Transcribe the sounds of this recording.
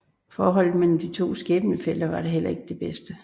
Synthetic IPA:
fɒːɦɒ̽l̰ð̩ˠmelm̩d̥it͡sʰo̝̰ːsɡ̥ɛːb̥nəfel̰d̥ɐʋɑ̈ɾ̥e̝ɦel̰ɐe̝ɡ̥əd̥e̝b̥esd̥ə

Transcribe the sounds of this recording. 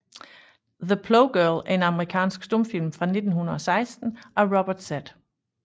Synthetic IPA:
ðəpʰloʊɡ̥ɜɐlæɐe̝nɑ̈məʁikʰɛ̰ːnsɡ̥sd̥ɔ̽mfilmfʁɑ̈ne̝d̥n̩hunɐɒ̽sɑ̈ɪsd̥n̩ʔɒʁɒb̥ɐd̥sæd̥

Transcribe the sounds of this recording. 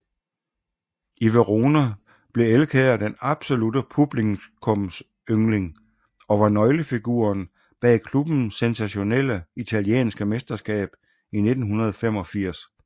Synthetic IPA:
iʋeʁonæ | b̥le̝elkʰɛːɐd̥enɑ̈b̥so̝lud̥əpʰub̥liŋkʰɔms | øŋle̝ŋ | ɒ̽ʋɑ̈nɒ̽ɪləfiɡ̥ṵɐn | b̥ɛ̰ːkʰlub̥n̩sensæɕo̝nel̰əit͡sʰæliḛːnsɡ̥əmesd̥ɐsɡ̥ɛ̰ːb̥ | ine̝d̥n̩ɦunɐð̞ˠɒfem̰ɒ̽fiɐ̰s

